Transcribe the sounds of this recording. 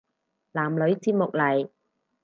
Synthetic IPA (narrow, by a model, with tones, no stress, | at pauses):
laː˨˩mlɵ˨˧ɥt͡siː˧t̚mʊ˨k̚lɐ˨˩j